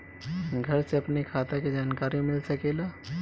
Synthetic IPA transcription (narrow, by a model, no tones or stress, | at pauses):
ɡʱɐɾseɐpnikʰat̪aked͡ʒaːnkaɾimɪlsɐkela